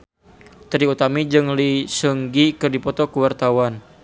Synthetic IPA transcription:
t̪ɾiut̪amid͡ʒɨŋlisəŋɡikɨrdipɔt̪ɔkəwart̪awan

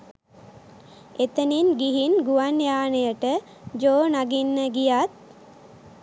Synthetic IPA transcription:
et̪əninɡiɦinɡuʋanjaːnejəʈə | d͡ʒoːnaɡinːəɡijat̪̚

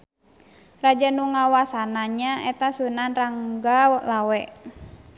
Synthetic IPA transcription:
rad͡ʒanuŋawasanaɲaʔɛt̪asunanraŋɡawlawɛ

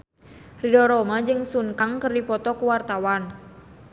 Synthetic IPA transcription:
ridɔɾɔmad͡ʒɨŋsuŋkaŋkərdipɔt̪ɔkuwart̪awan

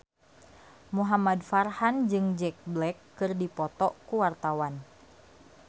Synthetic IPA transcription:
muɦamadfarhand͡ʒɨŋd͡ʒɛk̚blɛkːɨrdipɔt̪ɔkuwart̪awan

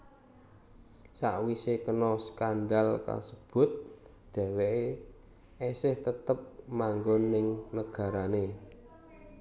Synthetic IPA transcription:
sa̰ʔwisekənɔskand̪alka̰səb̥ʊ̤t̪̚ | d̪̥ɛ̤weʔe | ɛsɪht̪ət̪əp̚maŋɡɔnɪŋnəɡ̥a̤ɾane

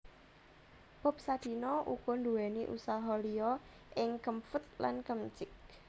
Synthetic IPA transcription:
b̥ɔ̤p̚sad̪̥i̤nɔʔṵɡ̥ɔ̤nd̪uwɛniʔṵsaɦɔliɔ | ʔɪŋkəmfət̪̚la̰nkəmt͡ʃɪk̚

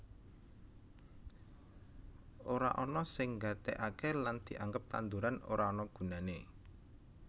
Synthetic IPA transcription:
ʔoɾa̰ʔɔnɔsɪŋɡat̪ɛʔakeland̪̥i̤ʔaŋɡəp̚t̪a̰nd̪uɾano̰ɾaɔnɔɡ̥ṳnane

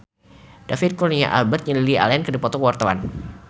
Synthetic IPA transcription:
d̥afit̪̚kɔlnia̰ʔa̰lbərt̪̚ɲəlilia̰laankərdipɔt̪ɔkəwart̪awa̰n

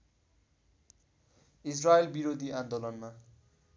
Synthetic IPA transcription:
israelbiɾod̪ʱiand̪olʌnma

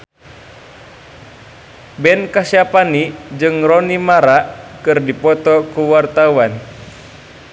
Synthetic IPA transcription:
bɛnkasiapanid͡ʒɨŋrɔnimaɾaʔkɨrdipɔt̪ɔkuwart̪awan

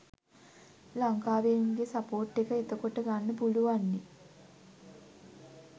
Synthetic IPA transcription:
laŋkaːʋeŋɡesapoːʈːekəet̪əkoʈəɡanːəpuluʋanːe

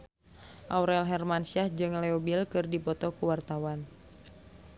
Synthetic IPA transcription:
ʔauɾɛlɦɛrmansiahd͡ʒɨŋlɛɔbilkɨrdipɔt̪ɔkuwart̪awan

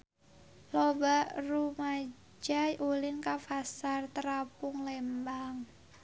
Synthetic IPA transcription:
lobaʔruma | d͡ʒajʔulɪnkafasart̪əɾapʊŋlɛmbaŋ

